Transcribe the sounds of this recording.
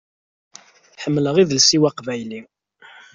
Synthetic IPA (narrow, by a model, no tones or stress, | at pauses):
ħəmːləʁiðəlsiwaqvæjli